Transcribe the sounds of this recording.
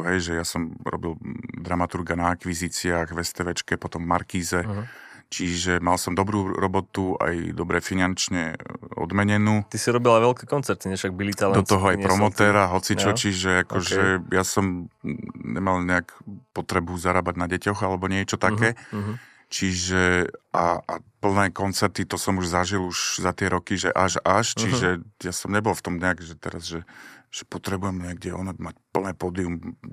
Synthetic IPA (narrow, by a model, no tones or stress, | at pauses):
ɦɛjʒɛjasɔmɾɔ̰bild̪ɾamat̪uɾɡanaakʋizit͡siaɣʋɛst̪ɛʋɛt͡ʃkɛpɔt̪ɔmvmaɾkiːzɛt͡ʃiʒɛmalsɔmd̪ɔbɾuːɾɔbɔt̪ua̰jd̪ɔbɾɛfinant͡ʃɲɛɔ̰d̪mɛɲɛnuːt̪isiɾɔbilaʋɛlkɛkɔnt͡sɛɾt̪iɲɛfʃaɡ̚bilit̪ald̪ɔt̪ɔɦɔajpɾɔmɔt̪ɛːɾaɦɔt͡sit͡ʃɔt͡ʃiʒɛakɔʒɛjasɔm | ɲɛ̰malɲɛakpɔt̪ɾɛbuzaɾaːbaɟnaɟɛcɔɣalɛbɔɲɪɛt͡ʃɔt̪akɛː | t͡ʃiʒɛʔaapl̩nɛːkɔnt͡sɛɾt̪it̪ɔsɔmuʒzaʒiluʒzat̪ɪɛɾɔkiʒɛʔaʒaʃt͡ʃiʒɛjasɔmɲɛbɔlft̪ɔmɲɛakʒɛt̪ɛ̰ɾazʒɛʒ̥ɛpɔt̪ɾɛbujɛmɲɪɛɡ̚dɛɔ̰nɛmacpl̩nɛːpɔd̪ium